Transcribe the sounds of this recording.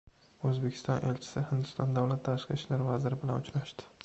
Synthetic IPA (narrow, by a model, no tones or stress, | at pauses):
ɵzbekʰʲɪ̥st̪ɒnʔḛlt͡ʃʰɪ̥sɪhɪnd̪ʊst̪ɒnd̪awlat̪ʰːaʃqɨʃlaɾvazɪɾɪbɪlanʊt͡ʃɾaʃt̪ɪ̥